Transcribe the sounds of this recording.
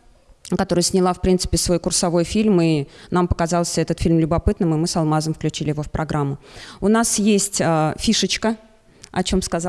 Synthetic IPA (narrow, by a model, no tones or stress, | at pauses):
kɐt̪o̞ɾəjəsʲnʲɪlˠafpɾʲint̪sɨ̥pʲɪsvo̞jkʊrsɐvo̞jfʲilʲminampə̥kɐzɑlˠsʲəɛt̪ət̪fʲilʲmlʲʊbɐpɨt̪nɨmɨmɨsɐlˠmazəmfklʲʉt͡ɕilʲɪjɪvo̞fpɾʔɐɡɾʔamːʊʊnasjesʲtʲəfʲiʂət͡ɕkə | ɐt͡ɕo̞mskɐz